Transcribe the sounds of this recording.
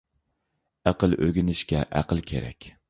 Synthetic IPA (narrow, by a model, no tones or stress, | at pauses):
æqɨlˠɵɡʲɪnɪʃkʲɛʔæqɨlˠkʲʰḛɾæ̰kʲ